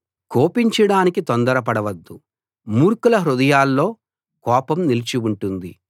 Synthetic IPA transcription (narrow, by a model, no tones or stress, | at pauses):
ko̞ːpiɲt͡ʃɐɽaːnikit̪ond̪ɐɾɐp̬ɐɽɐʋɐd̪ːu | muːɾkulɐɦɾud̪ɐjaːlːo̞ː | kɔːpɐmnilit͡ʃiuɳʈund̪i